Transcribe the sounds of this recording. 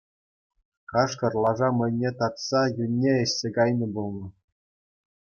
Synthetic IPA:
kɑʂkɤ̆rlˠɑʐɑmɘ̆nʲːet̪ɑt̪sɑjunʲːeɘ̆ɕʲsʲekɑjnʲɤ̆bulˠnɤ̆

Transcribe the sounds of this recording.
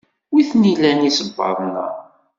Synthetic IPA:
wiθnilænisəbːɑ̰ɾˤnə̰

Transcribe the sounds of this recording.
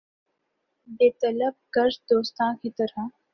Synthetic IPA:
bet̪ələb̚kəɾsd̪oːst̪ãkiːt̪əɾa

